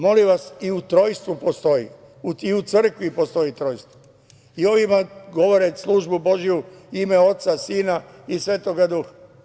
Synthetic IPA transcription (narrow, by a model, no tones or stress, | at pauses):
mo̞liʋasiut̪ɾo̞jst̪ʋupo̞st̪o̞jḭ | uiut̪sr̩kʋipo̞st̪o̞it̪ɾo̞ːjst̪ʋo | io̞ʋimaɡo̞ʋoɾeslˠuʒbubo̞ʒijuimeo̞t̪sasiːnaisʋe̞ːt̪oɡad̪uxḁ